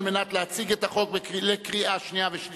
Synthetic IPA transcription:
lmenat̪leat͡siɡɛtaχok̚beklekʁiʔaʃniaveʃ

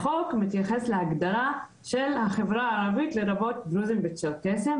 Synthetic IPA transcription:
χo̞kmit̪jaχesleaɡd̪ala | ʃe̞lhaχe̞vʁaːʁavit̪leʁabo̞t̚bɾuzimbetʃelkesem

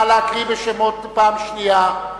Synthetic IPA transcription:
alaakʁiveʃemot̪paːmʃnia

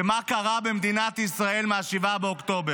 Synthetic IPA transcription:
makaʁabemd̪inat̪isʁae̞lmaːʃivabeokt̪o̞be

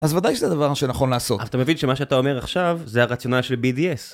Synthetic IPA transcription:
azvad̪ajʃezead̪avaʁʃenaχo̞nlaːso̞aaat̪amevinʃemaʃeat̪ao̞meʁaχʃavzeaʁat͡sijo̞nalʃelbid̪ies

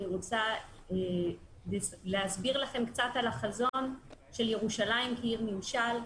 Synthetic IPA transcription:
iʁot͡sa | lelehasbiʁlaχe̞mkt͡satalaχazo̞nʃe̞lje̞ʁuʃalaimkiiʁmimʃal

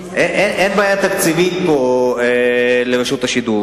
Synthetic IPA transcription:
ʔeʔenʔenbaːjat̪akt͡sivit̪poelevaʃut̪aʃid̪u

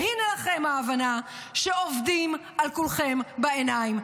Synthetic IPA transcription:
hinelaχe̞mhaːvana | ʃeovdim | alkulχe̞mbaenaim

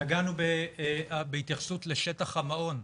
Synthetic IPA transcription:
aɡanube | beit̪jaχḁsutleʃetaχhamao̞n

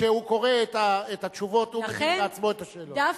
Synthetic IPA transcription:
ʃehuko̞ʁe̞et̪aet̪at̪ʃuvo̞t̪umeeat͡smo̞et̪aʃeːlodaf

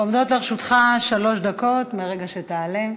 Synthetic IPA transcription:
omd̪o̞tleʁeʃut̪χaʃalo̞ʃd̪ako̞tmeʁeɡaʃeteale

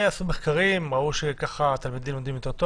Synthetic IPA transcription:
asumeχkaʁimʁauʃekaχat̪almid̪imjod̪imjot̪et̪o

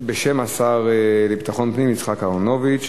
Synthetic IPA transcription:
beʃemasaʁelebt̪aχo̞npnimit͡sχakaono̞vit͡ʃ

